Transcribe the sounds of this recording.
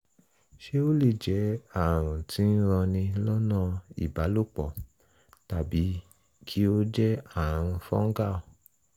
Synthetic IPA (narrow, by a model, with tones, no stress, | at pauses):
ʃe˦o˦le˦˨d͡ʒɛ˨˦a˦˨ɾ̃ũ˨ti˨˦n̩˦ɾ̃ã˧nĩ˧lɔ˦nã˦˨ḭ˨ba˨˦lo˦˨k͡pɔ˨ | ta˨bi˨˦ | kʰi˦o˦d͡ʒɛ˦a˦˨ɾ̃ũ˧fɔ̰̃˦ŋ̩˦ɡa˦˨o˨